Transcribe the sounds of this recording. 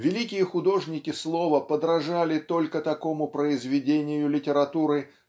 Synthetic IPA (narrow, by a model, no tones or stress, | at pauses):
vʲɪlʲikʲɪjəxʊd̪o̞ʐnʲɪkʲɪslˠo̞vəpəd̪ɾɐʐalʲɪt̪o̞lʲkət̪ɐko̞mʊpɾəɪzvʲɪdʲenʲɪjʊlʲɪtʲɪɾɐt̪uɾɨ